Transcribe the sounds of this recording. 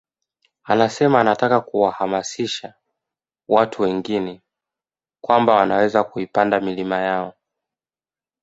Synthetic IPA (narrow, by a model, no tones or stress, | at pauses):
anasɛmaːnatakakuwahamasiʃa | watʰuwɛŋɡinɛ | kwambawanawɛzakuipandamilimajaɔ